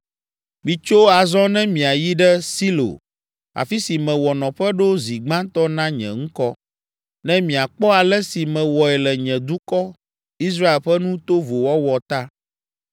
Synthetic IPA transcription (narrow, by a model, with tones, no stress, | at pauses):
mĩ˨t͡ʃo˦a˨zɔ˦nɛ̃˦mĩ˨a˨ji˦ɖɛ˦si˦lo̰˨ | a̰˨fi˦si˨mɛ̃˨wɔ˨nɔ̃˨ɸɛ˦ɖo˦zi˨ɡ͡bã˦t̪ɔ˦nã˦ɲɛ̰̃˨ŋ̩̃˦kɔ˦ | nɛ̃˦mĩ˨a˨k͡pɔ˦a˨lɛ˦si˨mɛ̃˨wɔ˨ɛ˨lɛ˨ɲɛ̃˨d̪u˦kɔ˦ | i˦s̬ɾa˦e˨lɸɛ˦nũ˦t̪o˦vo˨wɔ˦wɔ˨t̪a˦